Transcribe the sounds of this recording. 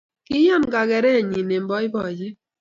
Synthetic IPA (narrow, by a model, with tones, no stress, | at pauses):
kɪ˦jɔ˦˨nka˨ɡɛ˨ɾɛ˦˨ɲi˨ne˨mbɔ˦ɪ˦bɔ˨d͡ʒi˦